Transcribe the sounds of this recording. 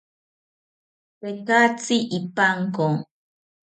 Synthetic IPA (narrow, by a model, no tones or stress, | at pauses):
pekat͡siʔipaŋkoŋ